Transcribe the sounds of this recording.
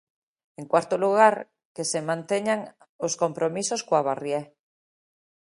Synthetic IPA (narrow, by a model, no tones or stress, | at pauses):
eŋkwaɾt̪oluɣaɾ | kesemãnt̪eɲaŋ | osko̞mpɾomisoskoaβarje